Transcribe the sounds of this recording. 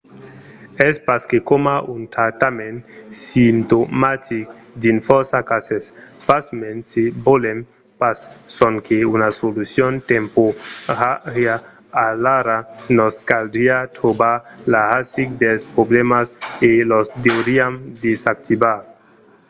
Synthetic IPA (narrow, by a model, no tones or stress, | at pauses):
ɛspaskekomaunt̪ɾat̪amensimt̪omat̪ʰik | d̪infɔɾsakasɛs | pasmensibolem | pasːɔnkʰeunasolusjont̪empoɾaɾjaː | laɾanɔskald̪ɾiat̪ɾobalahasik̚d̪elspɾoblemaselɔst̪eoɾiamd̪esak̚t̪ibaɾ